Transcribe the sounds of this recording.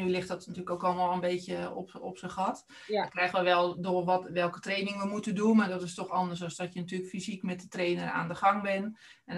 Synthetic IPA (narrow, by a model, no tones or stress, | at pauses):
nylɪxtdɔtnatyːləkoːkɔlˠʋɔlˠənbeːtjəɔ̰pɔpsəxɔt | dɔkrɛxəʋəʋɛlˠdoərʋɔtʋɛlˠkə̥treːnɪŋəʋəmutəndunmardɔtɪstɔxɔndərsɔsdɔtjənatyələkfizikmɛt̚dətreːnəra̰ːndəxɑŋbɪnɛn